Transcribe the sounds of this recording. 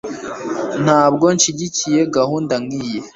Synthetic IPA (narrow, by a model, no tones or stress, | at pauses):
n̥haːb̚ɡo̞nʃiɟicije̞ɡaɦuːndaŋije